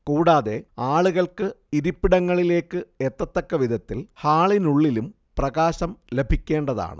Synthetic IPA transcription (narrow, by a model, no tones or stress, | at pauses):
kuːɽaːðe̞aːɭuɣɐɭkɨiɾupːiɽɐŋːɐɭile̞ːkːɨet̪ːɐt̪ːɐkːɐʋid̪ʱɐt̪ːilhaːɭinuɭːilum | prɐɣaːɕɐmle̞bʱikʲːe̞ːɳɖɐða̰ːɳɨ̰